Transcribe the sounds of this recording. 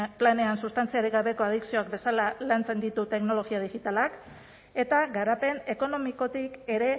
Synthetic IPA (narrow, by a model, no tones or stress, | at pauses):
plane̞ansust̪ant͡siaɾiɣaβe̞ko̞að̞iksio̞akbe̞salalant͡se̞nd̪it̪ut̪e̞kno̞lo̞ɣiað̞ixit̪alak | e̞t̪aɣaɾape̞ne̞ko̞no̞miko̞t̪ike̞ɾe̞